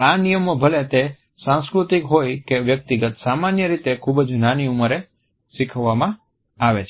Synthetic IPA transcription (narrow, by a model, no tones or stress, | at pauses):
anijəmobʱəlet̪e | sãnskɾut̪ikɦojkeʋjək̚t̪iɡət̪samanjəɾit̪ekʰubd͡ʒnaniuməɾe | sikʰəʋːamã | aʋet͡ʃʰ